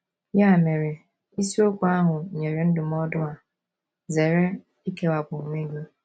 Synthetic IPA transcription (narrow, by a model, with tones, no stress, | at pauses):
ja˦˨me˨ɾe˨ | i˦si˦o˦kʷu˨˦a˦ɦʊ˨ɲe˨ɾe˨n̩˦dʊ˨m̩˦ɔ˦dʊ˦a˨ | ze˨ɾe˦ | i˦ke˦wa˨bu˨me˦ɡi˦